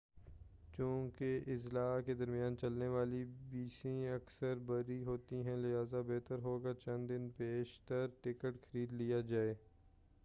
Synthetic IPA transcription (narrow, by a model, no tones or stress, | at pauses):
t͡ʃũːkeʔɪzlaːked̪ɐɾmjaːnt͡ʃɐlneʋaːlibiːsĩɐksəɾbɐɾiɦoːt̪iɦɛ̃lɪɦaːzabɛɦt̪əɾɦoːɡat͡ʃɐ̃nd̪ɪnpeːʃt̪əɾʈɪkəʈxəɾiːd̪lijad͡ʒaːeː